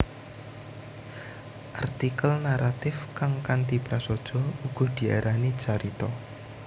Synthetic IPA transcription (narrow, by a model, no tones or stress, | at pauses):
ʔart̪ikəlnaɾat̪ɪfkaŋkant̪ipɾasɔd̥ʒ̥ɔ̤uɡ̥ɔ̤d̪̥i̤a̰ɾʔani̥t͡ʃaɾit̪ɔ